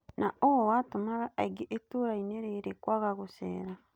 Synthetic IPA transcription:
naowowaːtumaɣaʔaiɡiʔetuːɾaineɾeɾekwaɣaɣusḛːɾa

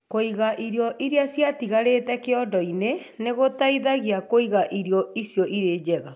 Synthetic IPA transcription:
koiɣaʔiɾjɔʔiɾeasjatiɣaɾeːtɛkeɔdɔine | neɣotaiðaɣiakoiɣaʔiɾeɔisjɔʔiɾeːd͡ʒɛɣa

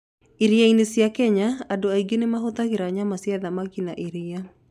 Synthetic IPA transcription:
iɾiainesiakɛɲaadoaiɡenemaɦot̪akiɾaɲamasiaðamakinaʔiɾia

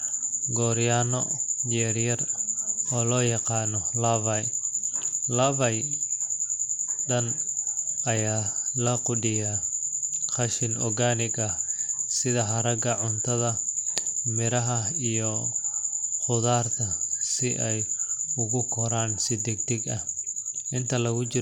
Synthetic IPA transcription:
ɡɔːɾjaːnɔjɛːɾjɐrɔːlɔːjɑqɑːnɔlɐvɐj | lɐvɐj | ɖɐn | ɐjaːlɐqʊɖɪja | qɐʃɪnɔ̰ɡaːnɪɡɐsɪðɐɦɐɾɐɡɐʕʊnt̪ʰɐðɐ | mɪɾɐɦɐijɔ | qʊðaːrt̪ʰɐsɪʔɛjʊɣʊkʰɔɾaːnsɪd̪ɛɡt̪ɪɡɐhʔɪnt̪ʰɐlɐɣʊt͡ʃɪ

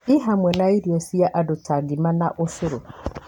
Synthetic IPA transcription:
iɦamwɛnaiɾjɔsiaʔadʊtʰaɡɪmana̰ʔʊsɪɾʊ̰

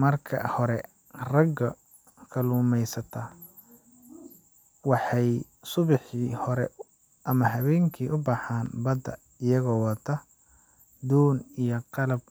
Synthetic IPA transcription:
mɐrkʰɐ̰hɔɾɛ | rɐɡɐ | kʰɐluːmɛjsɐt̪ʰɐ | wɑħɑj | sʊβɪħiːhɔɾɛ̰ | ʔɐmɐɦɐβɛːŋkʰiːʔʊbɑħaːnbɐd̪ɐ̰ | ɪjɐɣɔːwɑt̪ʰɐ | d̪uːnijɔqɑlɐb̚

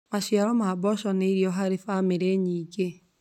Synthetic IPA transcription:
maʃjaɾɔmabɔʃɔneiɾjɔɦaɾefameɾeɲiːɡe

